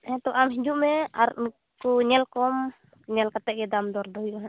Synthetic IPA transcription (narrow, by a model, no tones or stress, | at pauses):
hɛt̪ɔʔamɦid͡ʒuʔmɛa̰ɾn | kuɲɛlkɔm | ɲɛlkat̪ɛɡɛdamdɔrdɔjɔɦa